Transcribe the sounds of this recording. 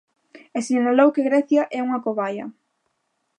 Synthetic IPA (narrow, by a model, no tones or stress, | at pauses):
esiŋɲalowkeɣɾɛθjɐʔɛuŋɐkoβajɐ̰